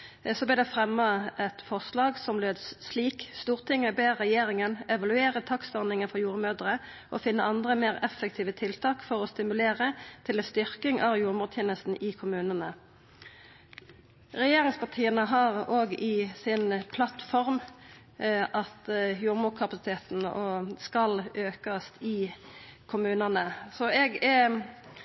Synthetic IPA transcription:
sɔblɪʁd̪ɛfʁɛmːɑʔɛt̪fɔʁslɑːɡsɔmløːd̪ssliːkst̪uːʁt̪ʰɪŋːəbeːʁɛjeːʁɪŋənɛʋɑlʉeːʁət̪ʰɑksɔʁnɪŋənfɔʁjuːʁəmøːd̪əʁə | ʔɔ̰fɪnːəɑnd̪ʁəmeːʁɛfək̚t̪ʰiːʋət̪ʰɪlt̪ʰɑːkfɔʁɔst̪ɪmʉleːʁət̪ʰɪlɛst̪ʏʁkɪŋʔɑʋjuːʁmʊːʁt̪ʰɛːnəst̪n̩ʔɪkʰʊmʉːnənə | ʁɛjeːʁɪŋspʰɑʁt̪ʰiːənəɦɑʁoːɡɪsɪnpʰlɑt̪fɔʁm | ʔɑt̪juːʁmʊːkʰɑpɑsɪt̪ʰeːt̪n̩ɔskɑløːkɑst̪ʰɪkʰʊmʉːnənəsɔɛɡɛ

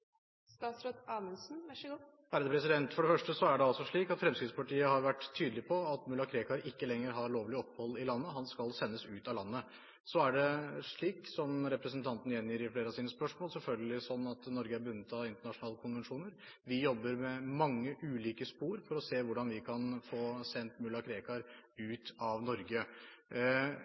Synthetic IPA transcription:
st̪ɑːt̪sɾɔt̪ɑːmənsn̩ | ʋæːɾəd̪əpʰɾɛs̬ɪd̪ɛnt̪fɔɖɛfœʂʈəsɔæɖɛɑlsɔʂɭiːkɑt̪fɾɛmskɾɪt̪spʰɑʈiːəhɑɾʋæʈːt̪ʰːyːd̪lɪpʰɔɑt̪mʉlːɑkʰɾeːkɑɾɪkːəlɛŋːəɾɦɑɾɭoːʋlɪɔpːhɔlːɪlɑnːəɦɑnskɑlsɛnːəsʉːt̪ɑlɑnːə | sɔæɖɛʂɭiːksɔmɾɛpɾəsnt̪ʰɑnt̪nəjɛnːjiːɾɪfleːɾəɑʋsiːnəspœʂmoːlsɛlfœlɡəlɪsɔnːɑt̪nɔɾɡəæbʉnːət̪ʰɑɪnt̪əɳɑʂʊnɑːləkʰʊnʋɛnʂuːnəɾʋɪjɔbːəɾmɛmɑŋːəʔʉːliːkəspuːɾfɔɾɔseːʋʊɖɑnʋɪkʰɑnfoːsɛnt̪mʉlːɑkʰɾeːkɑɾʉːt̪ɑʋnɔɾɡə

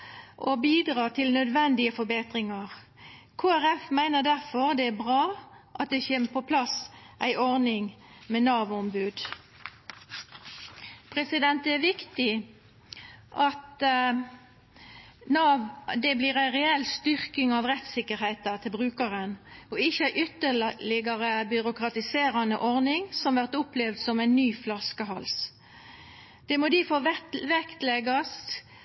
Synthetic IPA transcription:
ʔobiːd̪ʁɑːt̪ʰɪlnœd̪ʋɛnd̪ɪəfɔbeːt̪ɾɪŋɑʁkʰoːæɾɛfmæɪnəd̪æʁfɔʁd̪ɛæbʁɑːʔɑt̪̚d̪ɛçeːməpʰɔpʰlɑsʔæɪʔɔʁnɪŋmɛnɑːʋɔmbʉːd̪ | pʰʁɛsɪd̪ɛnt̪æɾʋɪkt̪ɪ | ʔɑt̪ | nɑd̪ɛbliːʁæɪʁɛɛlst̪ʏʁkɪŋɑʋʁɛt̪sɪkːəɾhæɪt̪ət̪ʰɪlbʁʉːkəʁənɔɪçːəæɪʔʏt̪əllɪɡəʁəbʏɾʊkʁɑt̪ɪseːɾɑnəʔɔʁnɪŋsɔmʋæʁt̪ʊplɛːʋd̪sɔmæɪnnyːflɑskəɦɑls | d̪̥ɛmoːd̪ifoʋɛkt̪lɛɡɑst̪

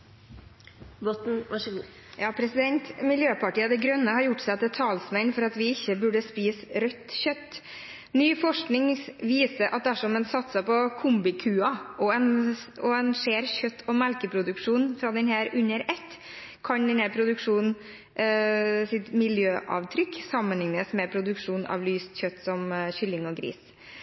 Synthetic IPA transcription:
bɔt̪n̩ʋɑʂɡ | jɑːpʰɾɛsɪd̪ɛnt̪mɪljøːpɑʈiːəd̪ɛɡɾœnːəhɑɾjʊʈːsæɪt̪ɛt̪ʰɑːlsmɛnfɔɾɑt̪ʋɪɪçːəbʉɖəspiːsɾœt̪ːçœt̪ː | nyːfɔʂknɪŋʋiːsəɾʔɑt̪̚d̪æʂɔmɛnsɑt̪sɑpɔkʰʊmbɪkʰʉːɑʔɔɛnɔɛnʂeːɾçœt̪ʰːɔmælkəpʰɾʊd̪ʉkʂuːnn̩fɾɑd̪ɛnhæːɾʉnːəɾɛt̪ː | kʰɑnd̪ɛnhæːɾpʰɾʊd̪ʉkʂuːnn | sɪt̪mɪljøːʔɑ̰ːʋt̪ʰɾʏksɑmːənlɪŋnəsmɛpʰɾʊd̪ʉkʂuːnɑ̰ːʋlyːst̪çœt̪ːsɔmçʏlːɪŋɔɡɾḭːs

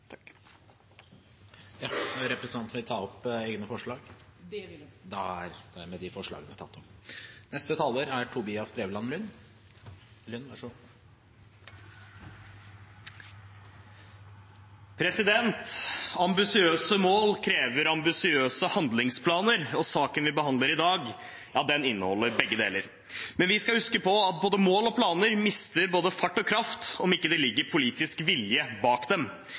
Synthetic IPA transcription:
jɑnɾɛpɾɛsənɑnt̪nɪt̪ʰɑːɔpeːɡnəfɔʂɭɑːɡ̥ | d̪ɛæ̰ɾd̪æmɛd̪ɪfɔʂɭɑ̰ːɡənət̪ʰɑt̪ʰːɔmnɛst̪ət̪ʰɑlːəɾæɾʈʰʊbiːɑst̪ʰɾeːʋlɑnlʉnː | lʉnʋæʂɔ | pʰɾɛsɪd̪ɛnt̪ɑmbɪsɪøːsəmoːlkʰɾeːʋəɾɑmbɪsɪøːsəhɑnd̪lɪŋspʰlɑːnəɾɔsɑːkənʋɪbəhɑnd̪ləɾɪd̪ɑːɡ | jɑːd̪ɛnɪnːə̰hɔ̰lːəɾbɛɡːəd̪ḛːləɾ | mɛnʋɪskɑhʉskəpɔɑt̪̚boːd̪əmoːlɔpʰlɑːnəɾmɪst̪əɾboːd̪əfɑʈːɔkʰɾɑft̪ɔmɪkːəd̪ɛlɪɡːəɾpʰʊliːt̪ɪskʋɪljəbɑːkd̪ɛm

